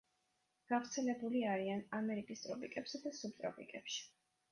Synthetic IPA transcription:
ɡ̥avɾt̪sʰɛlɛbuliaɾianamɛɾikʼist̪ʼɾɔpʼikʼɛpsɛd̪asub̚t̪ʼɾɔpʰʼḭkʼɛpʃi̥

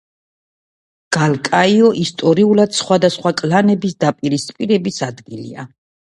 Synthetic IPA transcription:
ɡ̥alkʼaiɔʔist̪ʼɔɾiulad̪̥sχwad̪asχwakʼlanɛbisd̪apʼiɾispʼiɾɛbisad̪ɡilḭa̰

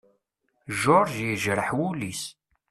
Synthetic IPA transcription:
ʒʊɾˤʒjəʒɾəħwulis

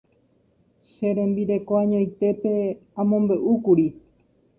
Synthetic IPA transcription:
ʃe̞ɾẽmbiɾe̞koãɲõjt̪e̞pe̞ãmõ̞mbe̞ʔukuɾi

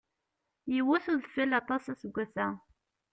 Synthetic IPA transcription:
jiwæθʊðfilːɑt̪ˤɑsæsəɡʷːæθæ

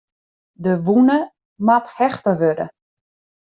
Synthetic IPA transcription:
dəʋunə | mathɛxtəʋødə̰

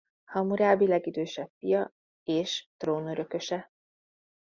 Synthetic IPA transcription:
hɒmuɾaːbilɛɡid̪øːʃɛpfijɒ | eːʃt̪roːnøɾø̞kø̞ʃɛ

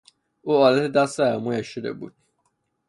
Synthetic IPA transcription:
uːɒːlæt̪ʰed̪æseæmujæʃod̪ḛbṵːd̪̥̚

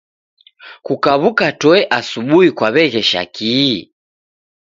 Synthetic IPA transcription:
kukaβukatɔɛʔasuɓuikwaβɛɣɛʃa̰ki

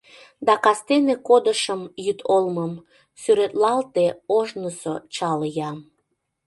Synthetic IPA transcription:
d̪ɑkɑst̪enekod̪əʃəmjyt̪ʰolməm | syɾet̪lɑlt̪eoʒnəsot͡ɕɑljɑm

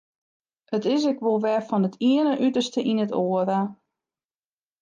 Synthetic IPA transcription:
ətɪs̬ɪkʋolˠʋɛrfɔnətʰiənəʔytərstəʔinətoəɾa

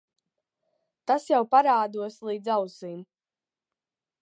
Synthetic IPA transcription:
t̪asjawpaɾaːd̪uɔslˠiːd̪zawsiːm

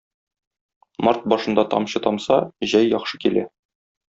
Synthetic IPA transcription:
mɑɾt̪̚bɒʃɤ̆nd̪ɑt̪ɒ̰mɕɤt̪ɒmsɑʑæjːɒχʃɤkilæ

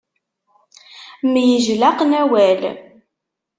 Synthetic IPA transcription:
mjəʒlæqnæwæl

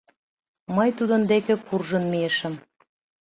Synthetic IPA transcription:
mɤjt̪ud̪ə̆nd̪ekĕkurʒə̆nmieʃə̆m

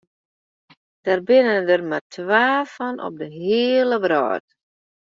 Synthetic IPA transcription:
d̥arbɪnəndərmatʰʋaːfɔnɔ̰p̚dəɦɪːələbrɔ̰ːt

